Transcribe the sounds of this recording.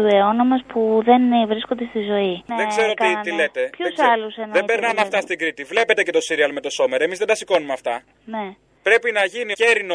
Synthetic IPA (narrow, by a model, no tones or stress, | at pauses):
ueo̞nomɐspuðe̞nvɾisko̞nd̪est̪izo̞iðeɡzeɾot̪it̪ilet̪epçusɐlusenðebeɾnɐnɐft̪ɐst̪iɡɾit̪ivle̞pe̞t̪ece̞t̪o̞siɾiɐlmet̪o̞so̞me̞ɾemizðed̪ɐsiko̞numeɐft̪ɐ | ne̞ | pɾe̞pinɐʝiniceɾino